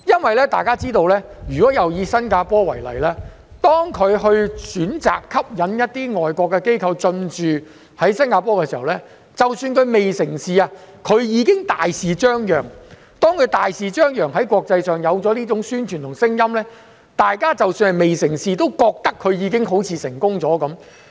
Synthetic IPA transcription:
jɐ˥nwɐ˨jlɛː˥t̪aː˨jkaː˥t͡siː˥t̪o˧wlɛː˥jyː˨kɔː˨˥jɐ˨wjiː˨˧sɐ˥nkaː˧pɔː˥wɐ˨˩jlɐ̰˨˩jlɛː˥ | t̪ɔː˥ŋkʰɵ˨˧ɥɦɵ˧ɥsyː˨˥nt͡sa̰ː˨kʰːɐ˥p̚jɐ˨˥njɐ˥t̚t̪iː˥ŋɔː˨jkʷɔː˧kːɛ˧ke˥jkʰɐ˧wt͡sɵ˧nt͡ʃyː˨ | hɐ˨˥jsɐ˥nkaː˧pɔː˥kɛː˧siː˨˩hɐ˨˩wlɛː˥ | t͡sɐ˨wsyː˧nkʰɵ˨˧ɥme˨jsɪ˨˩ŋsiː˨˧aː˧kʰɵ˨˧ɥjiː˨˧kɪ˥ŋt̪aː˨jsiː˨t͡ʃœː˥ŋjœː˨˩ŋ | t̪ɔː˥ŋkʰɵ˨˧ɥt̪aː˨jsiː˨t͡ʃœː˥ŋjœː˨˩ŋɦɐ˨˥jkʷwɔː˧k̚t͡sɐ˧jsœː˨˩ŋjɐ˨˧wt͡sɔ˨˥liː˥t͡sʊ˨˥ŋsyː˥nt͡ʃʰyː˨˩nt̪ʊ˨˩ŋsɪ˥ŋjɐ˥mlɛː˥ | t̪aː˨jkaː˥t͡sɐ˨wsyː˧nhɐ˨˩jme˨jsɪ˨˩ŋsiː˨t̪o˥wkɔː˧k̚t̪ɐ˥kʰːɵ˨˧ɥjiː˨˧kɪ˥ŋɦo˨˥wt͡sʰiː˨˧sɪ˨˩ŋkʊ˥ŋt͡sɔː˨˥kɐ˨˥m

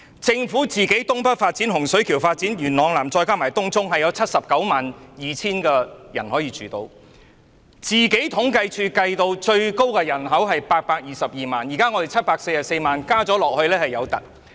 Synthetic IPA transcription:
t͡sɪ˧ŋfuː˨˥t͡siː˨ke˨˥jt̪ʊ˥ŋpɐ˥t̚faː˧t̚t͡si˨˥nɦʊ˨˩ŋsɵ˨˥ɥkʰiː˨˩wfaː˧t̚t͡siː˨˥njyː˨˩nlɔː˨˧ŋlaː˨˩mt͡sɔː˧jkaː˥maː˨˩jt̪ʊ˥ŋt͡sʊ˥ŋɦɐ˨jɐ˨˧wt͡sʰɐ˥t̚sɐ˨p̚kɐ˨˥wmaː˨˩njiː˨t͡sʰiː˥nkɛː˧jɐ˨˩nhɔː˨˥jiː˨˧t͡ʃyː˨t̪o˧w | t͡siː˨ke˨˥jt̪ʰʊ˨˥ŋkɐ˧jt͡ʃʰyː˧kɐ˧jt̪o˧wt͡ʃɵ˧ɥko˥wkɛː˧jɐ˨˩nɦɐ˨˥wɦɐ˨jpaː˧t̚paː˧k̚jiː˨sɐ˨p̚jiː˨maː˨njiː˨˩kaː˥ŋɔː˨˧de˨jt͡sʰɐ˥t̚paː˧k̚se˧jɐ˨˩k̚se˧jmaː˨nkaː˥t͡sɔː˨˥lɔː˨k̚hɵ˧lɛː˥hɐ˨jɐ˨˧wt̪ɐ̰˨˩t̚

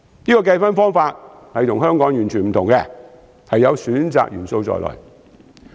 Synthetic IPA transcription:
niː˥kɔː˧k̬ɐ˧jfɐ˥nfɔː˥ŋfaː˧t̚ | hɐ˨jt̪ʰʊ˨˩ŋɦœː˥ŋkɔː˨˥ŋjyː˨˩nt͡ʃʰyː˨nm̩˨t̪ʰʊ˨˩ŋkɛː˧ | hɐ˨jːɐ˨˧wsyː˨˥nt͡sa̰ː˨k̚jy̰ː˨˩nso˧wt͡sɔ̰ː˨jlʔɔ̰ː˨˩j

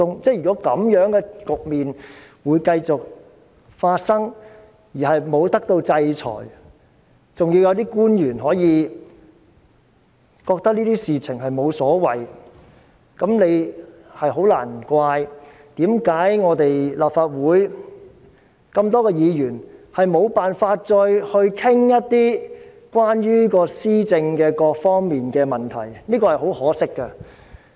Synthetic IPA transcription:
ʊ˨ŋt͡sɛː˥˩jy˨kɔː˨˥kɐ˨˥mjœː˨˥ŋkɛ˧kʊ˨k̚miː˨nwuː˨˧jkɐ˧jt͡sʊ˨k̚ | faː˧t̚sɐ˥ŋ | jiː˨˩ɦɐ˨jmo˨˧wt̪ɐ˥k̚t̪o˧wt͡sɐ˧jt͡sʰɔ̰ː˨˩j | t͡sʊ˨ŋjiː˧wjɐ˨˧wt̪iː˥kuː˥njyː˨˩nɦɔː˨˥jiː˨˧ | kɔː˧k̚t̪ɐ˥niː˥t̪iː˥siː˨t͡sʰɪ˨˩ŋɦɐ˨jmo˨˧wsɔː˨˥wɐ˨˩j | kɐ˨˥mne˨˧j | hɐ˨jɦo˨˥wla̰ː˨˩n˩kʷaː˧j | t̪iː˨˥mkaː˨˥jŋɔː˨˧t̪e˨jlaː˨p̚faː˧t̚wuː˨˥j | kɐ˧mt̪ɔː˥kɛː˧jiː˨˧jyː˨˩nhɐ˨jmo˨˧wpaː˨nfaː˧t̚t͡ʃɔː˧jhɵ˧ɥkʰɪ˥ŋjɐ˥t̚t̪iː˥ | kwaː˥nɥyː˥kɔː˧siː˥t͡sɪ˧ŋkɛː˧kɔː˧k̚fɔː˥ŋmiː˨nkɛː˧mɐ˨nt̪ʰɐ̰˨˩jniː˥kɔː˧hɐ˨˩jho˨˥whɔː˨˥sɪ˥kːɐ˧

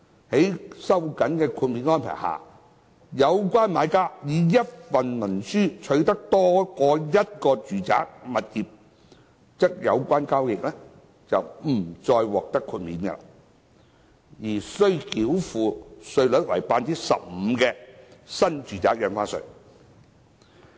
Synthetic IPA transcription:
he˨˥jsɐ˥wkɐ˨˥nkɛː˧kʰuː˧t̚miː˨˥nŋɔː˥npʰa̰ː˨˩jha̰ː˨˩ | jɐ˨˧wkʷwaː˥nmaː˨˧jkaː˥jiː˨˧jɐ˥t̚fɐ˨nmɐ˨˩nsyː˥t͡ʃʰɵ˨˧ɥt̪ɐ˥k̚t̪ɔː˥kɔː˧jɐ˥t̚kɔː˧t͡ʃyː˨t͡sa̰ː˨˥k̚mɐ˨t̚jiː˨p̚ | t͡sɛ˥k̚jɐ̰˨˧wkʷaː˥nkaː˥wjɪ˨k̚lɛ˥ | t͡sɐ˨wm̩˨˩t͡sɔː˧jwɔː˨k̚t̪ɐ˥kʰːuː˧t̚miː˨˥nkɛ̰˧la̰˨ | jiː˨˩sɵ˧ɥki˨˥wfuː˨sɵ˧ɥlɵ˨˥t̚wɐ̰˨˩jpaː˧nt͡siː˥sɐ̰˨p̚m̩˨˧kɛː˧sɐ˥nt͡ʃyː˨t͡saː˨˥k̚jɐ˨˧nfaː˥sɵ̰˨˩

